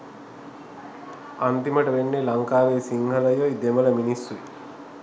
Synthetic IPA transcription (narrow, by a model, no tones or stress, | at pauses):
ant̪imɐʈɐʋenːelɐŋkaːʋeːsiŋɦɐlɐjojd̪emɐlɐminisːu